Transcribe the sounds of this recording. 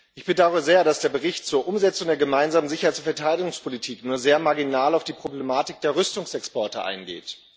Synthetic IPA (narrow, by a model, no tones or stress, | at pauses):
ʔɪçb̥ədaʊʁəzeːɐɾasd̥eːɐbəʁɪçtt͡suːɐʔʊmzɛt͡sʊŋdeːɐɡəmaɪnzaːmənzɪçɐhaɪt͡sʊnfɛɐtʰaɪɾɪɡʊŋspʰolitʰiːknuːɐzeːɐmaɐɡinaːlaʊfd̥iːpʁ̥oblemaːtɪk̚d̥eːɐʁʏstʊŋsɛkspɔɐtəʔa̰ɪnɡḛːt